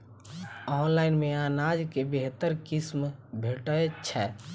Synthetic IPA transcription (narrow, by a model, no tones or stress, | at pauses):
ɔːnlaɪnmeaːnad͡ʒkebeɦt̪əɾkismbʱeʈət͡ʃʰɛ